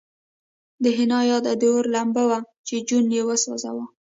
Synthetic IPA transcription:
d̪əɦɪnɑjɑd̪ad̪oɾlambawa | t͡ʃed͡ʒunjewaswɑ̰za̰wa

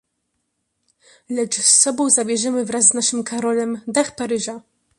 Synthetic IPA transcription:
lɛt͡ʂsːɔbɔ̃w̃zabʲjɛʐɛmɘvɾazznaʂɘmkʰaɾɔlɛmd̪axpaɾɘʐa

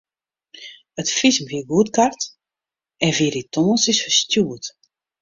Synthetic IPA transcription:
ətfismviəɡuətkart | ɛnviɾitʰoːnsɪsfəstjuət

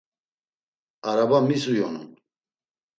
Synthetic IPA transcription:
aɾabamisujɔ̰nṵn

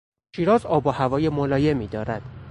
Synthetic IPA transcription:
ʃiːɾɒːzɒːbohævɒːjemolɒːje̞miːd̪ɒːɾæd̪̥

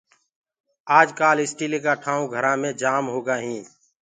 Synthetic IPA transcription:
aːd͡ʒkaːlɪsʈiːliːkaːʈʰaːũːɡʱəɾãːmẽːd͡ʒaːmɦoːɡaːɦĩː

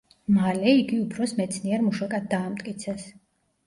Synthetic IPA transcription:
malɛiɡiupʰɾɔsmɛt̪sʰniɛɾmuʃakʼad̪̚d̪aːmt̪ʼkʼit̪sʰɛs

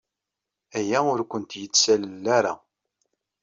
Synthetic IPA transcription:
æjæʊɾkʷənt̪jət͡sːsællːaɾa

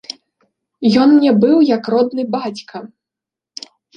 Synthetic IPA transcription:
jɔnnʲɛbɨwjɐkrɔd̪nɨbat͡sʲkɐ

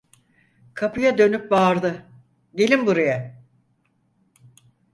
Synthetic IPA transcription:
kʰapɯjad̪ø̞nyp̚baːɾd̪ɯ | ɟe̞lʲimbuɾaja

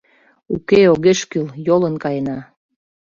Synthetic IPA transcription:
ukeoɣeʃkyljolənkɑjenɑ

